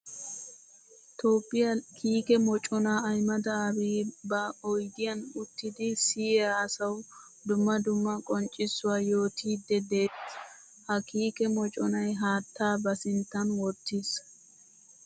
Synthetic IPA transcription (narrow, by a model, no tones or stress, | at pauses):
t̪o̞ːpʼːɪjɐkʰiːkɛmɔt͡ʃʼɔnaɐjmɐd̪ɐbiːbɐɔjd̪ɪjɐnʊt̪ːɪd̪ɪsɪːaːɐsɐw | d̪ʊmːɐd̪ʊmːɐkʼɔnt͡ʃʼːɪsːʊwaːjo̞ːt̪ʰiːd̪ːɛd̪eːt | hɐkiːkɛmɔt͡ʃʼɔnɐjɦaːt̪ʰːaːbɐsɪnt̪ːɐnwɔt̪ːiːs